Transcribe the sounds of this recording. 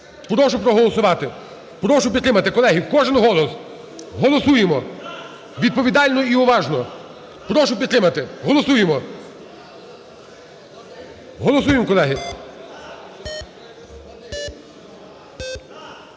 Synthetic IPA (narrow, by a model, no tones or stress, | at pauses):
pɾɔwʒʊpɾɔɦɔlˠɔsʊʋɑt̪ɪ | pɾdɔwʒʊpʲid̪t̪ɾɪmɐt̪ɪkɔlˠɛɦiwkɔʒɪnɦɔlˠɔs | ɦɔlˠɔsujemɔ | ʋʲid̪̚pɔʋʲid̪ɑlʲnɔiɔʋɑʒnɔ | pɾɔwʒʊpʲid̪t̪ɾɪmɐt̪ɪɦɔlˠɔsujemɔ | ɦɔlˠɔsujemkɔlˠɛɦɪ